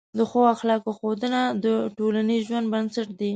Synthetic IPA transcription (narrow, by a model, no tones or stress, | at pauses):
d̪əxoaxlɑkoxod̪ənad̪əʈolanizʒwand̪̚bansaʈd̪i